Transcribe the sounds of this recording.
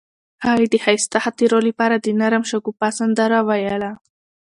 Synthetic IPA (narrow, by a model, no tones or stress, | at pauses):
haɣid̪əhajst̪ahat̪əɾolipɑɾad̪ənaɾamʃaɡupasand̪aɾawajala